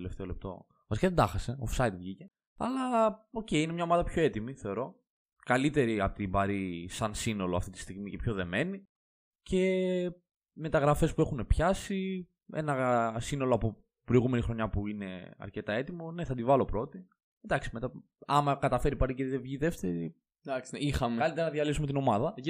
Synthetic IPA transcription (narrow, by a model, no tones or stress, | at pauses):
eleft̪e̞o̞le̞p̚t̪o̞̰ | vɐsikɐðed̪ɐxɐse̞ofsɐit̪vʝice̞ | ɐ̰lɐo̞ce̞ine̞mɲɐomɐðɐpço̞e̞t̪imiθe̞o̞ɾo̞ | kɐlit̪e̞ɾiɐpot̪ibɐɾisɐnsino̞lo̞ɐ̰ft̪it̪i̥st̪iɣmicepço̞ðe̞me̞ni | ce̞ | me̞t̪ɐɣɾɐfe̞spue̞xune̞pçɐsi | e̞̰nɐsino̞lo̞ɐpo̞ | pɾo̞iɣume̞nixɾo̞ɲɐpuine̞̰ɐ̰ɾce̞t̪ɐe̞t̪imo̞ne̞θɐd̪ivɐlo̞pɾo̞t̪i | nd̪ɐksi̥me̞t̪ɐ | ɐmɐkɐt̪ɐfe̞ɾipɐɾiceððevʝiðe̞ft̪e̞ɾi | d̪ɐksixɐmekɐlit̪eɾɐnɐðjɐlisumet̪ino̞mɐðɐ